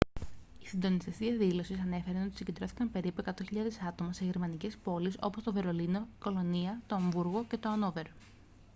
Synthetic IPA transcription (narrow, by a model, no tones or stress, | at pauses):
isind̪o̞nist̪est̪iɐðilo̞sisɐne̞fe̞ɾɐno̞t̪isɟe̞d̪ɾo̞θikɐmpe̞ɾipue̞kɐt̪oçiʎɐðe̞sɐt̪o̞mɐse̞ʝe̞ɾmɐnice̞spo̞liso̞̰po̞st̪o̞ve̞ɾo̞lino̞iko̞lo̞niɐt̪oːɱvuɾɣo̞ce̞t̪oɐno̞ve̞ɾ